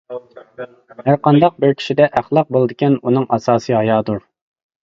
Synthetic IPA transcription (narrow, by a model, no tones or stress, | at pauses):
hæɾqɑnd̪ɑq̚bɪɾkʲʰi̥ʃid̪ɛʔæχlˠɑq̚bolˠɨd̪ɨkʲɛnunɨŋʔɑsɑːsɨɦɑjɑːd̪uɾ